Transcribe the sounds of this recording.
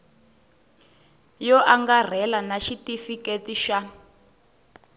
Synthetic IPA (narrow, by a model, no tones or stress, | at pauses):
jɔʔaŋɡar̤ɛlanaʃitifiketiʃa